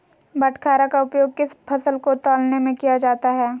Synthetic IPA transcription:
bɐʈʰkʰaːɾakaʊpjoːɡ̚kɪspʰɐsəlkot̪ɔːlnemẽkijad͡ʒaːt̪aɦɛː

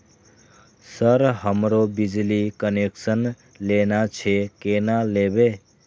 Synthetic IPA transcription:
səɾɦəmɾobid͡ʒlikəneksən | lenat͡ʃʰekenalebe

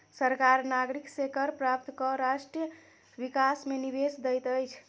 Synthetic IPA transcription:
səɾkaɾnaɡɾiksekəɾpɾap̚t̪kɔɾaʃʈɾijə | ʋikasmenibesd̪əjt̪əjt͡ʃʰ

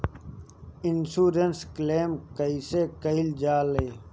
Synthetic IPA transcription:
ɪnsuːɾenskleːmkəisekəild͡ʒaːleː

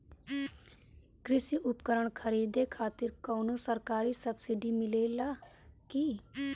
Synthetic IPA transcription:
kɾɪsiːʔʊpkəɾəɳkʰəɾiːd̪eːkʰaːt̪ɪɾkoːnoːsəɾkaːɾiːsəbsɪɖiːmɪleːlaːkiː

